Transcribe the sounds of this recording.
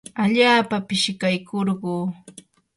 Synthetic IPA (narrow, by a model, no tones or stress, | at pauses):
aʎaːpapɪʃɪkajkʰoɾɢuː